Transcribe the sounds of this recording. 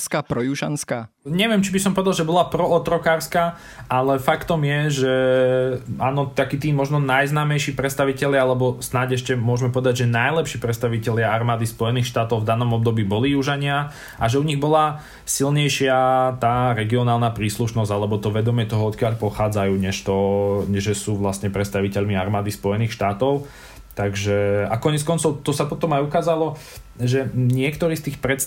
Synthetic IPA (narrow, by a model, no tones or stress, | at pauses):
skapɾɔjuʃanskaː | ɲɛʋɪɛmt͡ʃibisɔmpɔʋɛd̪alˠʒɛbɔlapɾɔɔt̪ɾɔkaːɾska | alɛfakt̪ɔmjɛʒɛ | aːnɔt̪akiːt̪iːmɔʒnɔnajznaːmɛjʃiːpɾɛt̪st̪aʋicɛʎɪaalɛbɔsnaɟɛʃcɛmʊɔʒmɛpɔʋɛd̪aɟʒɛnajlɛpʃiːpɾɛt̪st̪aʋicɛʎɪaaɾmaːd̪ispɔjɛniːxʃt̪aːt̪ɔʊvd̪anɔmɔb̚d̪ɔbiːbɔlijuʒaɲɪa | ʔaʒɛuɲiɣbɔla | silɲɛjʃɪat̪aːɾɛɡiɔnaːlˠnapɾiːsluʃnɔzɟalɛbɔt̪ɔʋɛd̪ɔmɪɛt̪ɔɦɔɔt̪kɪaʎpɔxaːd͡zajuːɲɛʃt̪ɔɲɛʒɛsuːʋlast̪ɲɛpɾɛt̪st̪aʋicɛʎmiaɾmaːd̪ispɔjɛniːxʃt̪aːt̪ɔʊ | t̪aɡʒɛa̰kɔɲɛt͡skɔnt͡sɔʊt̪ɔsapɔt̪ɔmajukaːzalɔ | ʒɛɲɪɛkt̪ɔɾiːst̪iːxpɾɛt̪